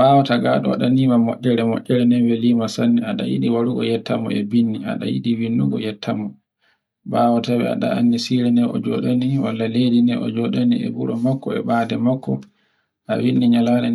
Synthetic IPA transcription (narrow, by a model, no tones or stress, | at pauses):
bawɔtaɡaɗɔwa̰ɗanimamɔ̰ʔʲːɛɾɛmɔ̰ʔʲːɛɾɛnɛnwɛliːmasanːiaɗa̰jḭɗiwaɾuɡɔ̰jɛtːamɔ̰ɛbinːia̰ɗa̰jḭɗiwinːuɡɔjɛtʰːamɔ | bawɔtawɛa̰ɗa̰anːisiɾɛnɛɔ̰d͡ʒɔ̰ɗaniwalːaledinɛʔɔ̰d͡ʒɔɗaniɛ̰buɾɔmakːɔɛ̰ɓaːdɛmakːɔ | ʔawinːiɲalanɛ